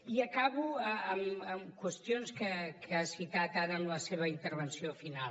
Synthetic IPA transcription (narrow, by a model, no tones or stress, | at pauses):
iəkaβuəəməmkwəst̪ionskəkʰəasit̪at̪aɾəːmləseβ̞əint̪əɾβənsiofinal